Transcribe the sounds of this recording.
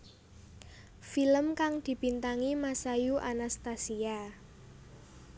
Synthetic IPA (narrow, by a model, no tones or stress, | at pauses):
filəmkaŋd̪̥i̤b̥int̪aŋimasajuʔanast̪asia